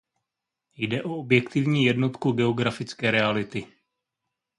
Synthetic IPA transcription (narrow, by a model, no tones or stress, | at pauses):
jdɛʔo̞objɛkt̪ɪvɲiːjɛdno̞t̪kuɡɛo̞ɡɾafɪt͡skɛːɾɛalɪt̪ɪ